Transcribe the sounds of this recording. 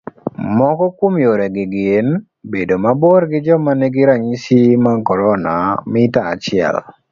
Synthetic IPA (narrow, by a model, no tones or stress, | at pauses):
mɔkɔkwomjoɾɛɡɪɡɪn | bedomaboɾɡɪd͡ʒɔmanɛɡɪɾaɲisimakɔɾɔnamɪta̰ːt͡ʃɪɛ̰l